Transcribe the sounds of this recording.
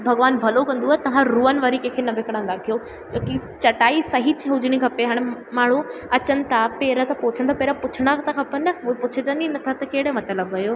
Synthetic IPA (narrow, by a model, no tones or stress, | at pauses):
bʱɐɡʋaːnbʱɐlokɐ̃nd̪uaːet̪ɐʋ̤ãɾuːənɪ̆ʋəɾikẽːkʰenɐʋekɽə̃ːn̆d̪akijo | t͡ɕoːkit͡ɕɐʈaːisɐɦit͡ɕʰɦʊd͡ʑɪɽ̃ikʰɐpeɦaːɽ̃maːɳ̤ũɐt͡ɕənɪ̆t̪ʰapeːɾət̪ɐpoːt͡ɕʰənɪt̪ʰapeːɾapʊt͡ɕʰɪɽ̃at̪ʰakʰɐpənɐuepʊt͡ɕʰəd͡ʑəninɐt̪ʰat̪ɐkeːɽəmɐt̪ləbɦɐjoː